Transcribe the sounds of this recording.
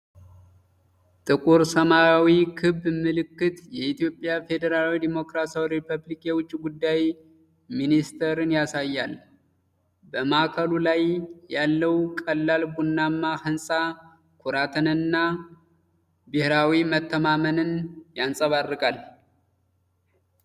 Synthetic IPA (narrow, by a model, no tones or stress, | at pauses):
t̪ʼɨkʼuɾsəmaawikʰɨbːmɨlɨkːɨt̪jɛʔit̪ijo̞pʼːjafe̞d̪əɾalwid̪imo̞kɾasjawɾepʰəβlikjɛwʊt͡ʃʼːiɡud̪ːaj | minist̪ʰəɾɨnjasajːal | bəmakʰəlulajːalːəwkʼəlːalbunːamːahɨnsʼa | kʷʰuɾat̪ʰənɨnːa | bɨhɾawimət̪ʰːəmamənɨnjansʼəβarːɨkʼal